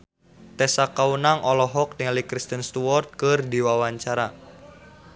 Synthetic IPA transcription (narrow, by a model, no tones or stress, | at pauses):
t̪ɛsakaunaŋʔɔlɔɦɔk̚diŋalikɾist̪ənst̪uwɔrt̪̚kɨrdiwawaɲt͡ʃaɾa